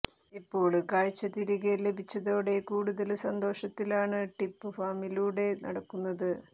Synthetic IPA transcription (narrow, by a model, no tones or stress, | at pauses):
ipːo̞ːɭkaːɻt͡ɕːɐt̪iɾiɣele̞bʱit͡ɕːɐðo̞ːɽe̞kuːɽuðɐlsɐnd̪o̞ːʂɐt̪ːilaːɳɨʈipːɨfaːmiluːɽe̞nʔɐ̰ɽɐkːunːɐðɨ